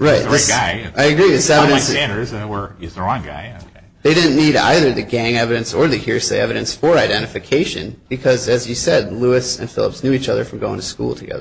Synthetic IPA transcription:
ɹaɪt̚ðɪsɡɪaɪɨɡɹiðɪsɛvɨɾɨ̃nsæ̃nə˞zwə˞ɨzðə˞ɑ̃nɡa̰ɪokʰe | ðeɪɾɪdⁿn̩nːiɾa̰ɪðə˞ðɨɡæ̃ŋɛvɨɾɨ̃nsə˞ðɨhiɹseɪɛvɨɾɨ̃nsfə˞aɪdɛ̃ɾ̃ɨfɨkʰeɪʃɨ̰̃nb̥ɨkʰʌzɨzjɨsɛdˡluɨsɨ̰̃nfɪ̰lˠə̰psnjʉit͡ʃʌðə̰˞fɹʌ̃mɡoʊɪ̃ŋtʰɨskṵlˠtʰɨɡɛ̰ðə˞

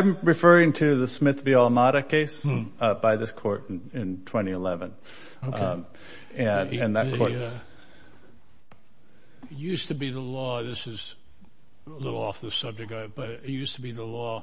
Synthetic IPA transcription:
ɪ̃mɹɨfɜ˞ɪ̃ŋtʰɨðɨsmɪθviɑlˠmɑɾɨkʰeɪsbaɪðɪskʰɔɹɾn̩ɪ̃ntʰw̥ɛ̃ɾ̃iəlɛvɨ̃n | ɨ̃nɨ̃nðɨt̚kʰɔɹ | jʉstɨbiðəlɔðɪsɨz̥ | əlɪɾl̩ˠɔfðɨsʌb̚d͡ʒɨk̚tb̥ʌjʉstʰəbiðəlɔ

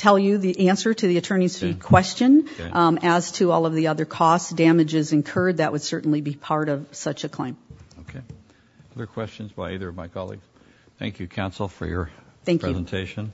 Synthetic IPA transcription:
tʰɛlˠjɨðiʔæ̃nsə˞ɾɨðiɨtʰɜ̃˞ñisfikʰw̥ɛst͡ʃɨ̃nɨz̥tʰɨɔlˠʌvðiʌðə˞kʰɔsd̥æmɨd͡ʒɪzɨ̃nkʰɜ˞d̪̚ðɨʔwʔəd̥sɜ˞ʔn̩libipʰɑɹɾʌv̥sʌt͡ʃɨkʰl̥ḛ̃ɪ̃moʊkʰeɪ | ʌðə˞kʰw̥ɛst͡ʃɨ̃nzbaiðə˞ʌvmaɪkʰɑlˠḭɡz̥ | θæ̰̃ŋkʰjʉkʰãʊ̃nsl̩ˠfə̰˞jə̰˞θæ̃ŋkʰɹɛʉzn̩tʰeɪʃɨ̃n

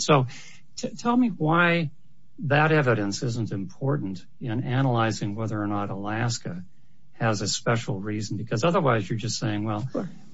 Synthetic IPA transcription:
soʊ | tʰtʰɛlˠmiwaɪ | ðɨɾɛvɨɾɨ̃nsɪzə̃ntɨ̃mpʰɔɹʔn̩t | ɪ̃nænəlaɪzɪ̃ŋwɛðə˞ːnəɾəlæskɨ | ɨzɨspɛʃl̩ˠɹizn̩bɨkʰʌzʌðə˞waɪzjə˞d͡ʒʌstseɪɪ̃ŋwɛlˠ

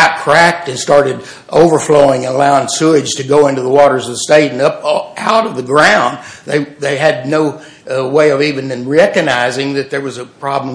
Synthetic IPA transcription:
ækʰɹ̥æk̚tɨ̃nstɑɹɾɨɾ | ʔoʊvə˞floʊɪ̃ŋɨ̃nəlaʊɪ̃ŋsʉɪdʒ̥tʰɨɡoʊɪ̃ntʉðəwɔɾə˞zʌvsteɪɾ̃n̩ʌpʔaʊɾʌvðɨɡɹãʊ̃nðeɪðeɪɨdⁿnoʊ | weɪʌvivɨ̃nɨ̃nɹɛkɨɡ̚naɪzɪ̃ŋðɨt̪̚ðə˞wʌzɨpʰɹ̥ɑbl̃m

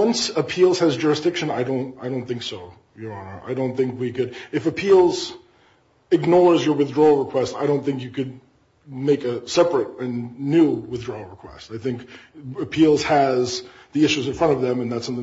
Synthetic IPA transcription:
ʌ̃nsəpʰilˠz̥ɨzd͡ʒʊɹɨsd̥ɪkʃɨ̃naɪdõʊ̃ntaɪɾõʊ̃nθɪ̃ŋksoʊ | jəəna̰ɪdõʊ̃nθɪ̃ŋkwikɨɾɨfɨpʰilˠz | ɨɡ̚nɔɹzjə˞wɨθdɹɔl̩ˠɹəkʰw̥ɛstaɪɾõʊ̃nθɪ̃ŋkjɨkɨd̚ | meɪkɨsɛpɹɨɾɨ̃nːʉwɨθdɹɔl̩ˠɹəkʰw̥ɛ̰staɪθɪ̃ŋkɨpʰilˠz̥ɨz | ðiɪʃʉzɨ̃nfɹʌ̃ɾ̃ʌvðɨ̃mɨ̃nðætsʌ̃mθɪ̃

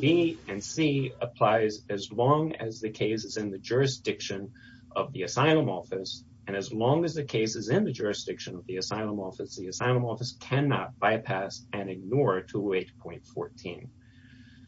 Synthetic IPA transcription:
b̥iɨ̃nsiəpʰl̥aɪzɨzlɔ̃ŋɨ̰zðɨkʰeɪsɨzɨ̃nðɨd͡ʒʊɹɨsd̥ɪkʃɨ̃n | ʔʌvðiɨsaɪlˠə̃mɔfɨs | ɨ̃nɨzlɔ̃ŋɨzðɨkʰeɪsɨzɪ̃nðɨd͡ʒʊɹɨsd̥ɪkʃɨ̃nʌvðiɨsaɪlˠə̃mɔfɨsðiɨsaɪlˠə̃mɔfɨskʰæ̃nɑt̚b̥aɪpʰæsɨ̃nɨɡ̚nɔɹtʰueɪtpʰɔ̃ɪ̃ntfɔ̰ɹtʰḭ̃n

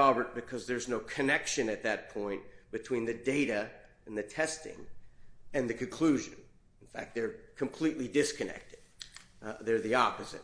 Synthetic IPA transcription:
ɑbə˞t̚b̥ɨkʰʌzðə˞znoʊkʰɨnɛkʃɨ̃nɨt̪̚ðɨt̚pʰɔ̃ɪ̃nb̥ɨtʰw̥ĩnðɨdeɪɾɨ | ɨ̃nðɨtʰɛstɪ̰̃ŋ | ɨ̃nðɨkʰɨ̃nkʰl̥ʉʒɨ̰̃ñ | n̩fæ̰k̚t̪̚ðə˞kʰɨ̃mpʰl̥itˡlidɪskʰɨnɛ̰k̚tɨd̥̚ | ðə˞ðiɑpɨzɨ̰t̚

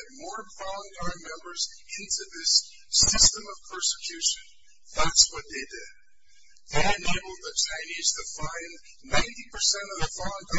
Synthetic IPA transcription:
t̚mɔɹfɑlˠoʊɪ̃ŋamɛ̃mbə˞z | ɪ̃ntʰʉðɪs | ɪstə̃mʌv̥pʰɜ˞sɨkʰj̥ʉʃɨ̃n | ðætswʌt̪̚ðeɪdɨd̚ | ðeɪɨ̃neɪbl̩ˠd̪̚ðɨt͡ʃʰãɪ̃niz̥tʰɨfãɪ̃n | nãɪ̃ntipə˞sɛ̃ñʌvðəfɑlˠʊɪ̃ŋ

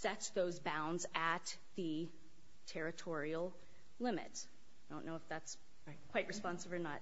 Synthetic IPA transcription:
sɛtsðoʊzbãʊ̃ndzɨt̪̚ | ðɨ | tʰɛɹɨtʰɔɹil̩ˠ | lɪ̃mɨ̰ts | dõʊ̃nːoʊəfðæts | ɹɪkʰw̥aɪt̚ɹɨspɑ̃nsəvə˞nət̚

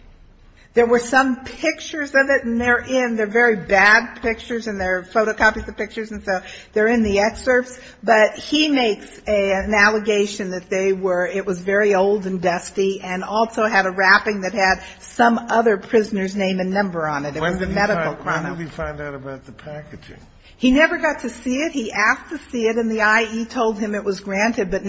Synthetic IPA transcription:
ðə˞wə˞sʌ̃mpʰɪk̚t͡ʃə˞zʌvɪɾn̩ðə˞ʔɪ̃nðə˞vɛɹibæd̚pʰɪk̚t͡ʃə˞zɨ̃nðə˞foʊɾoʊkʰɑpizɨv̥pɪk̚t͡ʃə˞z̃n̩soʊðə˞ɨ̃nðiɛksə˞fs | b̥ʌt̚himeɪks | ɨɨ̃nælˠəɡeɪʃɨ̃nðɨt̪̚ðeɪwə˞ɪt̚wʌzvɛɹioʊlˠdɨ̃ndʌstiɨ̃nɔlˠsoʊɨɾɨɹæpɪ̃ŋðɨt̚hɨd̥̚ | sʌ̃mʌðə˞pʰɹ̥ɪznə˞znẽɪ̃mɨ̃nːʌ̃mbə˞ə̃nɨtɨt̚wʌzɨmɛɾɨkl̩ˠkʰɹ̥ɑnɨfãɪ̃ndaɾəbaʊt̪̚ðəpʰækɨd͡ʒɪ̰̃ŋ | hinɛvə˞ɡɑtʰɨsiɪt̚hiʔæstʰɨsiɨɾɨ̃nðiaɪitʰoʊlˠd̚ɨ̃mɨʔ̚wʌzɡɹæ̃ntɨd̚bʌtⁿ

